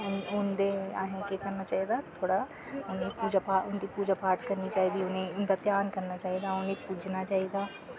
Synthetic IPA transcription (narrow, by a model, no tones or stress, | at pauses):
ʊnʊnd̪eaːɦẽkekɐɾnat͡ʃaːɦid̪at̪ʰoːɽa | ʊnɦẽpuːd͡ʒapaːʊnd̪ipuːd͡ʒapaːɾʈkɐɾnit͡ʃaːɦid̪iʊnẽʊnd̪at̪jaːnkɐɾnat͡ʃaːɦid̪aʊnɦẽpuːd͡ʒnat͡ʃaːɦid̪aː